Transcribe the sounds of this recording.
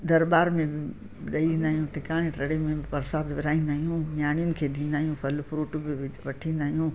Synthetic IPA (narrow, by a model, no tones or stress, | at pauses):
d̪ɐɾbaːɾmẽbɪ | ɗɐiʋĩːn̆d̪aːɦijũʈɪkaːɽ̃ẽʈɐɽemẽpɐɾsaːd̪ʋɪɾaːĩːn̆d̪aːɦijũɲaːɽ̃ijʊnɪ̆kʰeːd̪ĩːnd̪aːɦijũpʰɐlpʰɾuːʈbɪʋɐʈʰĩːn̆d̪aːɦijũː